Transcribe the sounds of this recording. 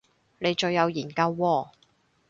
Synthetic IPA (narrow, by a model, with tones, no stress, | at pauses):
ne˨˧jt͡ʃɵ˧ɥjːɐ˨˧wjiː˨˩nkɐ˧wːɔː˧˩